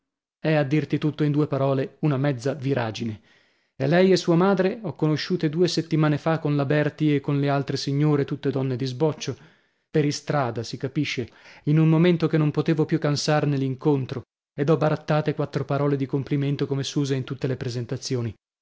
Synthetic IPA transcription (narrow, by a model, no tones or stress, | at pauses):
ɛad̪ːirt̪it̪ut̪ːoind̪uːepaɾɔːleunamɛd̪zːaviɾʔaːd͡ʒine | elːɛjesːuːamaːd̪ɾeɔkːonoʃːuːt̪ed̪uːeset̪ːimaːnefakːonlabɛrt̪iekːonlealt̪ɾesiɲːoːɾet̪ut̪ːed̪ɔnːed̪izbɔt͡ʃːo | peɾist̪ɾaːd̪asikapiʃːeinunmoment̪okenːompot̪eːvopjukːansarnelːiŋkont̪ɾo | ed̪ɔbːaɾat̪ːaːt̪ekwat̪ːɾopaɾɔːled̪ikompliment̪okomesuːzeint̪ut̪ːelepɾezent̪at̪sːjoːni